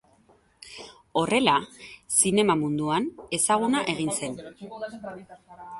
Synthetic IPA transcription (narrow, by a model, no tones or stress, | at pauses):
o̞re̞lasine̞mamund̪uane̞saɣ̞unaʔe̞ɣ̞inse̞n